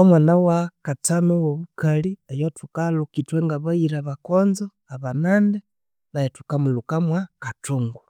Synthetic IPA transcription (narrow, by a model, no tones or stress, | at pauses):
omwanawakatanowoβukaliejotukalukitweŋɡaβaiɾaβakoːnzo | aβanande | lajetu̥kamulukamwakatuŋɡu